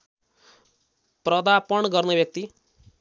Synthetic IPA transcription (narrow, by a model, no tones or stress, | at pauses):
prʌd̪apʌɳɡʌrnebjʌk̚t̪i